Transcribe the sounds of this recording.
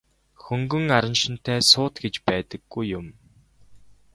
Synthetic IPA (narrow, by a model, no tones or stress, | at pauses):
xɵŋɡɵ̆ŋaɾə̆nʃɪ̆n̥t̪ʰæːsʊːt̪ɡet͡ɕpæːt̪ə̆ɡ̥ːujːʊm